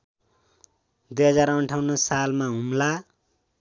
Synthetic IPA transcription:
d̪ujɦʌd͡zaɾʌɳʈʰawnʌsalmaɦumla

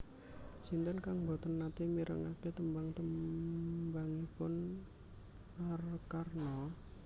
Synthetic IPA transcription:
d͡ʒint̪ənkaŋbɔt̪ənːat̪imiɾʔə̰ŋaket̪əmbaŋt̪ə | baŋipʊn | arkarnɔ

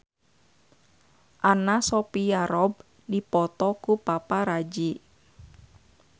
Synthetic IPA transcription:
ʔanasɔpijaɾɔb̚ | dipɔt̪ɔkupapaɾad͡ʒi

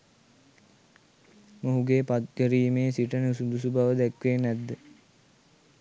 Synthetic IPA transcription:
moɦuɡeːpat̪̚ɡəɾiːmesiʈənud̪usubaʋəd̪ækʋenæd̪ːə

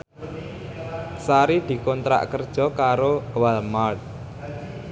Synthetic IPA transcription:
saɾid̪̥i̤kɔnt̪ɾa̰ʔkərd̥ʒ̥ɔ̤kaɾowalmat̪̚

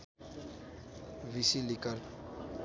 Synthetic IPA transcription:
visilikal

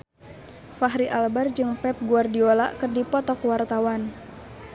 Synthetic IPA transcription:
faɦɾiʔalbard͡ʒɨŋpɛp̚ɡuardiolaʔkɨrdipɔt̪ɔkwart̪awan

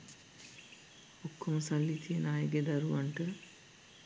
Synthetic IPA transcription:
okʰːoməsalːit̪ʰijenaːjəɡed̪aɾuʋaɳʈə

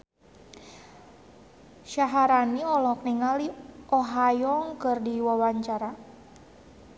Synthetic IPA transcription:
ʃaɦaɾaniɔlɔk̚niŋaliʔɔɦajɔŋkɨrdiwawaɲt͡ʃaɾa

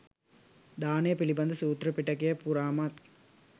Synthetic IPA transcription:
d̪aːnejɐpilibɐnd̪ɐsuːt̪ɾɐpiʈːɐkejɐpuɾaːmaːt̪

